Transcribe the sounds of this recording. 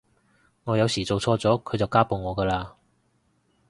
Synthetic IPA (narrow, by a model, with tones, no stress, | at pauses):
ŋɔː˨˧jɐ˨˧wsiː˨˩t͡so˨wt͡sʰɔː˧t͡sɔː˨˥kʰɵ˨˧ɥt͡sɐ˨wkaː˥po˨wŋɔː˨˧kəː˧laː˧